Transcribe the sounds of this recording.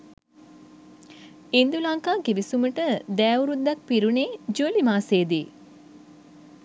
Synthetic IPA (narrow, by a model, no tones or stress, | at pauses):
ind̪ulaŋkaːɡiʋisuməʈəd̪ɛːuɾud̪ːak̚piɾuneːd͡ʒuəlimaːseːd̪iː